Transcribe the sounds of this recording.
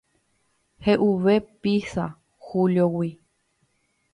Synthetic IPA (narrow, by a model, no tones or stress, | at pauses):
heʔuʋepisa̰ | huljowi